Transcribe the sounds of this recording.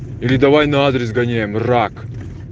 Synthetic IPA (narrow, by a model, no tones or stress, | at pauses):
ilʲɪd̪ɐvajnɐad̪ɾʲɪsɡɐnʲejɪmrak